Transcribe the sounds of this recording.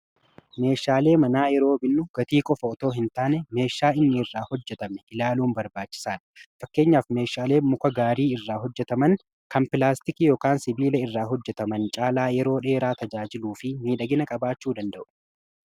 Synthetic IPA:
me̞ːʃaːle̞ːmɐnaːjɛɾo̞ːbɪnːʊɡ̥ɐt̪iːkʼɔfɐɔt̪o̞ːɦɪnt̪aːnɛme̞ːʃːaːɪnːɪɪrːaːhɔd͡ʒːɛt̪ɐmɛʔɪlaːluːmbɐɾbaːt͡ʃːɪ̥saːᶑɐ̥fɐkːe̞ːɲːaːfme̞ːʃaːle̞ːmʊkɐɡaːɾiːɪrːaːɦɔd͡ʒːɛt̪ɐmɐn | kɐmpɪlaːst̪ɪkɪjoːkaːnsɪbiːlɐɪrːaːɦɔd͡ʒːɛt̪ɐmɐnt͡ʃʼaːlaːjɛɾo̞ːᶑe̞ːɾaːt̪ɐd͡ʒaːd͡ʒɪluːfɪmiːᶑɐɡɪnɐkʼɐbaːt͡ʃːuːd̪ɐnd̪ɐʔʊ̥

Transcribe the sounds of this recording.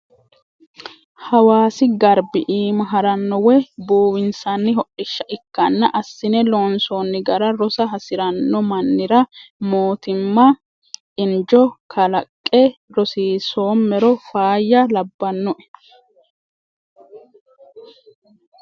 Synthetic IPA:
hɐwaːsɪɡɐɾbɪʔiːmɐɦɐɾɐnːɔwɛbuːwɪnsɐnːɪɦɔʔɪʃːɐʔɪkːɐnːɐʔɐsːɪnɛloːnsonːɪɡɐɾɐɾɔsɐɦɐsɪɾɐnːɔmɐnːɪɾɐmoːt̪ɪmːɐ | ɪnd͡ʒɔkʰɐlɐkʼːɛɾɔsiːsoːmːɛɾɔfaːjːɐlɐbːɐnːɔʔɛ̥

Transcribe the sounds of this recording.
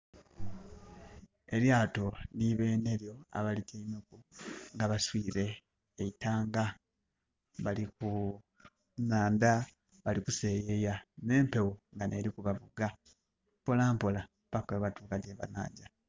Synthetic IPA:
e̞ljaːto̞niβe̞ːne̞ljo̞a̰βaliceinokuŋɡaβaswiːɾe̞ː | itaːŋɡa | βaliku | naːnda | βalikuse̞ːje̞jane̞ːmpe̞wuŋɡane̞ɾikuβaβuɡa | mpolaːmpola | pakeβatuːkaɟeβa̰na̰ːɟa

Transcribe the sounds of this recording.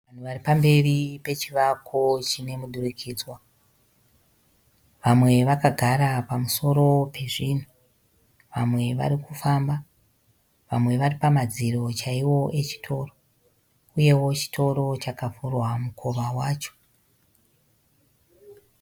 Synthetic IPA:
ʋan̤uʋaripambe̞ripe̞t͡ʃiʋakʰot͡ʃine̞muɗurikʰiːd͡zwa | ʋamwe̞ʋakaɡʱaɾapamuso̞ɾo̞pe̞ʐiːn̤u | ʋamwe̞ʋa̰ɾikufamba | ʋa̰mwe̞ʋaripamad͡ziro̞t͡ʃaiwo̞ʔe̞t͡ʃi̥tʰo̞ro | uje̞wo̞t͡ʃi̥tʰo̞ɾo̞t͡ʃakafurwamukʰoʋawaːt͡ʃo̞̥

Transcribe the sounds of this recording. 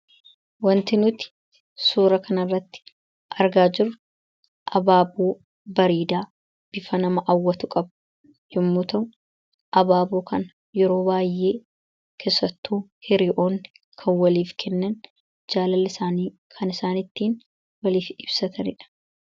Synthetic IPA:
wɐnt̪ɪnʊt̪ɪ̥ | suːɾɐkɐnɐrːɐt̪ːɪ̥ | ʔɐɾɡaːd͡ʒɪrʊ | ʔɐbaːbuː | bɐɾiːd̪aː | b̥ɪfɐnɐmɐʔɐwːɐt̪ʊkʼɐb | jʊmːʊːt̪ɐ | ʔɐbaːboːkʰɐn | jɛɾo̞ːbaːjːeː | kʰeːsːɐt̪ːuːhɪɾɪʔo̞ːnː | kʰɐnwɐliːfkʰɛnːɐn | d͡ʒaːlɐlːɪsaːniː | kʰɐnɪsaːnɪt̪ːiːn | wɐliːfɪb̥sɐt̪ɐnɪᶑɐ̥

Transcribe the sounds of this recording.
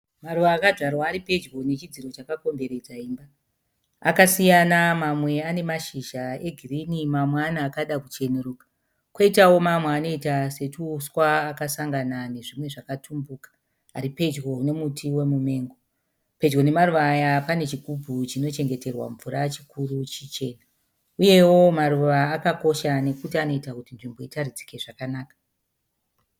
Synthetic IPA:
maruʋaːkaʐʱarwaːɾipe̞d͡ʒɡo̞net͡ʃid͡ziɾo̞t͡ʃakako̞mbe̞ɾe̞d͡zaimba | a̰kasijanamamwe̞ane̞maʃiʒae̞ɡʱirinimamwanaːkaɗakut͡ʃe̞neɾukḁ | kwoitawo̞mamweːno̞itase̞tuːswaːkasaŋɡanane̞ʐimwe̞ʐakatʰumbukḁː | ɾipe̞d͡ʒɡo̞ne̞mutʰiwe̞mume̞ːŋɡo | pe̞d͡ʒɡo̞ne̞maruʋaːjapane̞t͡ʃiɡʱubʱut͡ʃino̞t͡ʃe̞ŋɡe̞te̞rwa̰ɱvuɾat͡ʃikurut͡ʃit͡ʃe̞ːna | uje̞wo̞maɾuʋaːkako̞ʃane̞kutiano̞itakutinʐimbo̞itaɾid͡zi̥keʐakanaːkḁ

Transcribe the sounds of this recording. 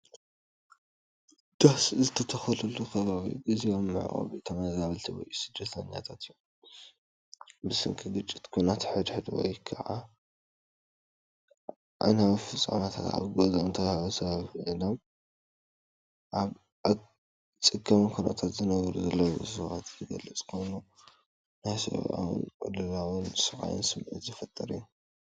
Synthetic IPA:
d̪̥ahszɨt̪ʰɐt̪ʰɐxɐlɐlukʰɐβaβḭɡiziomːɨ̰ʕ̰ʔʼo̰βit̪ʰɐmazaβɐlt̪ʰiwɔ̰jusɨd̪ːɐt̪ʰɐɲja̰t̪ʰat̪ijːu | bɨsɨŋkʰɨɡɨt͡ʃʼːɪ̥t̪kʰunat̪ħɨd̪ħɨd̪wɔ̰jkʰaʕa̰ | ʔa̰jnawifɨt͡sʼːa̰mat̪ʰat̪a̰βɡozont̪ʰɐaɐsɐβaβʔɨlom | ʔaβ | a | t͡sʼɨkʰːɐmɨnkʰuna̰t̪ʰat̪zɨnɐβɾuzɐlːɐwsɐβat̪zɨɡɐlːɐt͡sʼkʰojnu | najsɨ̰βʔa̰wɨ̰nʔʼɨlɨlawɨnsɨxʼa̰jɨ̰nsɨmʕɨ̰t̪zɨfɐt̪ʼːɐɾɨjːu

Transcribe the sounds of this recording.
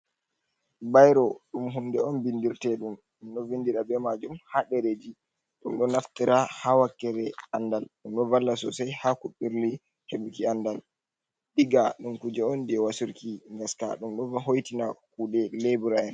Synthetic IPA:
bajɾɔɗumɦundɛɔnbindiɾtɛɗum | ɗumɗɔvindiɾabɛmad͡ʒumhaɗɛɾed͡ʒi | ɗumɗɔnaftiɾahawakːɛɾɛandalɗumɗɔvalːasɔ̰sajhakuɓiɾli | hebukiandal | ɗiɡaɗumkud͡ʒɛɔnd͡ʒɛwasuɾkiŋɡaska̰ɗumɗɔvɦojtinakuːɗɛlebuɾaɛn

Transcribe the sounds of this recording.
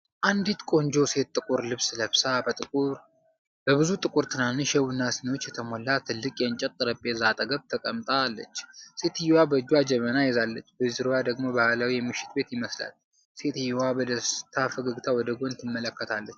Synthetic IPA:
ʔand̪it̪kʼo̞nd͡ʒo̞se̞t̪̚ːʼɨkʼuɾlɨβsləβsabət̪ʼɨkʼuɾ | b̥əβɨzut̪ʼɨkʼuɾt̪ʰɨnanɨʃɛwɨnːasɨniwot͡ʃːjɛt̪ʰəmo̞lːat̪ʰːɨlːɨkʼjɛɨnt͡ʃʼɛt̪ʼːɨɾəpʼezat̪ʼəɡəβt̪ʰəkʼəmt̪ʼalːə̰t͡ʃːse̞t̪ʰɨjwabəɨd͡ʒuwad͡ʒɛmənajɛzalːət͡ʃːbəzɨɾowad̪əɡmo̞bahlawijɛmɨʃɪ̥t̪be̞t̪jɪməsla̰l | se̞t̪ɨjːwabɔd̪əst̪ʰafəɡəɡt̪ʰawɔd̪əɡont̪ʰɨmːələkːət̪ʰalːət͡ʃː

